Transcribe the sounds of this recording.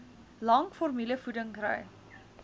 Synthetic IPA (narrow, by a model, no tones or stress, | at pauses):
lɐŋkfɔrmiləfudəŋkrœ̰j